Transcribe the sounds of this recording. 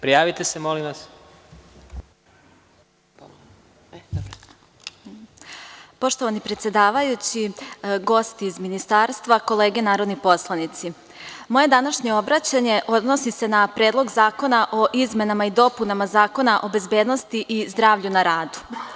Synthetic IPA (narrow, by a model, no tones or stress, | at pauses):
pɾijaːʋit̪esemolimʋas | po̞ʃt̪o̞ʋanipɾe̞t̪sjed̪aːʋajut͡ɕiɡo̞st̪iːzminist̪aːɾst̪ʋako̞lˠe̞ːɡenaːɾo̞d̪nipo̞slˠanit̪si | mo̞je̞d̪anaʃɲe̞o̞bɾat͡ɕaɲe̞ʔo̞d̪no̞sise̞napɾe̞ːd̪lˠo̞ɡzaːko̞naʔo̞ʔizme̞namaid̪o̞punamazaːko̞naʔo̞be̞zbe̞ːd̪no̞st̪iʔizd̪ɾaːʋʎunaɾaːd̪u̥